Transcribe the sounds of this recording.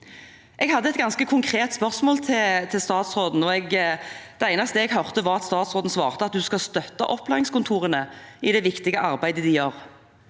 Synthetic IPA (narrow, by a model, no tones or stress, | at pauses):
ʔɛɡhɑd̪ːəɛt̪ɡɑnskəkʰʊŋkʰɾeːt̪spœʁsmoːlt̪ʰɪlt̪ʰɪlst̪ɑːt̪sʁoːd̪n̩ɔɛɡd̪̥ɛæɪnɑst̪eɛɡɦœʁt̪əʋɑʁɑt̪st̪ɑːt̪sʁoːd̪n̩sʋɑ̰ːʁt̪əɑt̪̚d̪ʉskɑst̪œt̪ːɑ̰ʔɔpːlæːʁɪŋskʊnt̪ʰuːʁənəɪd̪ɛʋɪkt̪ɪɡəʔɑʁbæɪd̪əd̪ɪjøːʁ